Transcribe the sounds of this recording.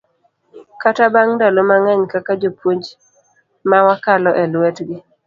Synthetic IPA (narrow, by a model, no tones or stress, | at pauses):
katabaŋdalomaŋaɲkakad͡ʒopwoɲd͡ʒ | mawakalɔʔɛlwɛtɡɪ